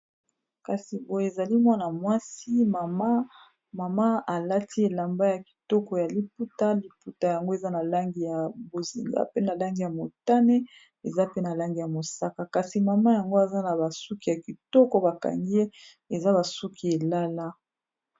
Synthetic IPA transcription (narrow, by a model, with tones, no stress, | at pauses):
ka˨si˨bo˨je˨e˨za˨li˦mwa˦na˨mwa˦si˦ma˨ma˦ | ma˨ma˦a˨la˦tʰi˦e˨la˨mba˦ja˨ki̥˨tɔ˦kɔ˨ja˨li˨p̚u˦ta˦li˨pu˦ta˨ja˨ŋɡo˦e˨za˦na˨la˦ŋɡi˨ja˨bo˨zḭ˨ŋɡa̰˦pe˦na˨la˦ŋɡi˨ja˨mo˨ta˦ne˦ | e˨za˦pe˦na˨la˦ŋɡi˨ja˨mo˨sa˦ka˨ka˨si˨ma˨ma˦ja˨ŋɡo˦a˨za˦na˨ba˨su˦ki˦ja˨ki˨tɔ˦kɔ˦ba˨ka̰˨ŋɡi˦e˦ | e˨za˦ba˨su˦kʰi˦e˨la˦la˦